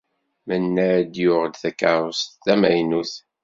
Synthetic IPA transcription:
mənːæd̪jʊʁd̪θækːaɾˤʊst̪ːæmæjnuθ

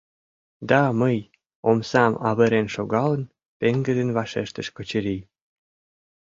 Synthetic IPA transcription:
d̪ɑməj | omsɑmɑβəɾenʃoɣɑlən | peŋɡə̆d̪enβɑʃeʃt̪ə̆ʃkŏt͡ɕə̆ɾi

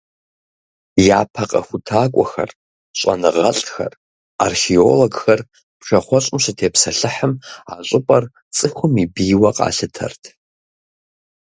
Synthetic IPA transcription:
jaːpʰɐqʼɐxʷutʰaːkʷʼɔxɐ̰r | ɕʷʼɐ̰nɨʁɐɬʼxɐ̰r | arxioloɡxɐr | pʰʂɐχʷɔɕʷʼɪmɕʷatʰeːpʰsɐɬɨħəma̰ɕʷʼɨpʼɐr | t͡sʼɨxʷʊmibiːwɐqʼa̰ːɬɨtʰɐ̰rtʰ

